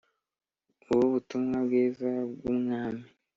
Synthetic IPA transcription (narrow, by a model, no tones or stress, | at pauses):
uβuβutumŋabɡeːzabɡumŋaːmi